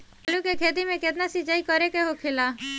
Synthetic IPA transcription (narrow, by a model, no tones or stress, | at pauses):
lukekʰed̪imẽked̪nasid͡ʒaikɔɾekeɦokʰela